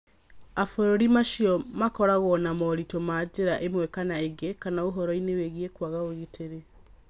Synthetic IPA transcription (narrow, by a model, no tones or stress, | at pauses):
afoɾoɾimaʃiɔmakɔɾaɣɔnamɔɾitomaːd͡ʑeɾaʔemwɛkanaeɡekanaoɦɔɾɔineweɣiekwaɣaoɣeteɾe